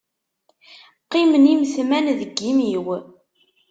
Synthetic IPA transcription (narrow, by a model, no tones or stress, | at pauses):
qːimənimθmænðəɡːimiw